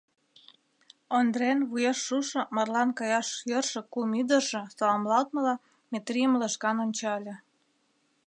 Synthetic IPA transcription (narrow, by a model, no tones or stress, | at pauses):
ond̪renβujeʃːuʃɤ̆mɑrlɑnkɑjɑʃjørʃɤ̆kumid̪ə̆ʒĕsɑlɑmlɑlt̪̚mə̆lɑ | mʲet̪riəmləʃkɑnonʲt͡ɕɑlʲĕ